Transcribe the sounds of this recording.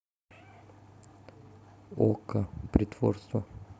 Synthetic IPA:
o̰kəpɾʲɪt̪vo̰rst̪və

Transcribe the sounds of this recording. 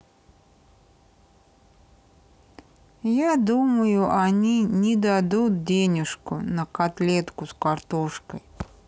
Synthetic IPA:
jad̪uməjʊʔanʲinʲɪd̪ad̪ut̪̚d͡zʲenʲɪʂkʊ̰nəkat̪lʲɛt̪kʊskart̪ɔʂkəj

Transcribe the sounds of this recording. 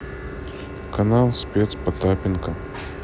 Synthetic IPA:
kɐnalˠsʲpʲet̪spɐt̪apʲɪnkɐ

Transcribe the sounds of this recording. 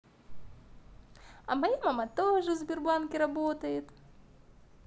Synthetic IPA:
ɐ̰majamamat̪ɔʐɨzʲbʲɪrbankʲiɾabɔt̪ɐjɛt̪

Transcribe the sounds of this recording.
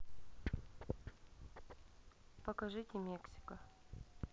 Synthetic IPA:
pɐkɐʐɨtʲɪmʲeksʲɪ̥kə

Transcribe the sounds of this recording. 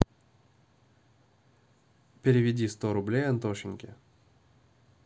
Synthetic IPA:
pʲɪɾʲɪvʲɪdʲist̪oɾʊblʲejɐnt̪oʂɪnʲkʲɪ̰

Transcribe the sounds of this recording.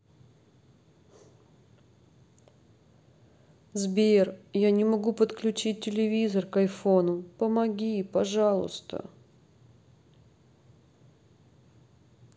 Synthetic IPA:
zbʲerjanʲɪmɐɡupət̪klʲʉt͡ɕit̚ʲtːʲɪlʲɪvʲizərkɐjfonʊpəmɐɡʲipɐʐɑlˠʊ̰st̪ə̰

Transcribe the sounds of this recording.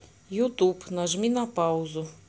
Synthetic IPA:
jut̪upnɐʒmʲinɐpɑwzʊ

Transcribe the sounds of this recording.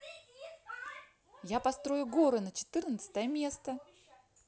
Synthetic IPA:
japɐst̪ɾo̞jʊɡo̞ɾɨnət͡ɕɪ̥t̪ɨrnət̪sə̥t̪əjəmʲe̞st̪ə

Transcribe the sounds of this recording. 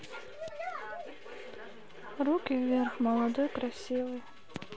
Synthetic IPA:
rukivʲerχmɑlˠad̪ojkɾasʲivɨj

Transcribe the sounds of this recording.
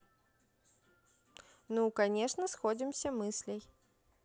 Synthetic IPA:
nukɐnʲeʂnəsxodʲɪmsʲəmɨsʲlʲɪj

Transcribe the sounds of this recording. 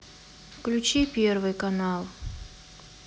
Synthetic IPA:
fklʲʉt͡ɕipʲervɨjkɐnalˠ

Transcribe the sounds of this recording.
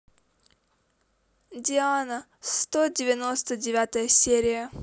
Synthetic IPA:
dʲɪanə | st̪odʲɪvʲɪnost̪ədʲɪvʲat̪əjəsʲeɾʲɪjə

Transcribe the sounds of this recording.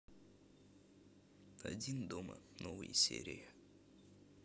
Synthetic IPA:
ɐ̰dʲind̪omə̰novɨjsʲḛɾʲɪjə

